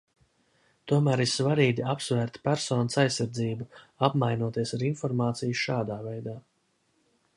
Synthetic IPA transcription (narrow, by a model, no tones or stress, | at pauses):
t̪uɔmæːɾiɾsvaɾiːɡʲiapsvæːɾt̪pæɾsɔːnəsajsːaɾd̪ziːbuapmajnuɔt̪iɛsaɾinfɔɾmaːt̪sijʃaːd̪aːvɛjd̪aː